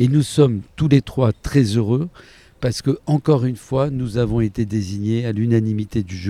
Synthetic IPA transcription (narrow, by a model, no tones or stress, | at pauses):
enusɔmt̪ulet̪χwat̪χɛzøʁø | paʁsə̥kəɑ̃kɔʁynfwanuzavɔ̃et̪ed̪eziɲealynanimit̪ed̪yʒ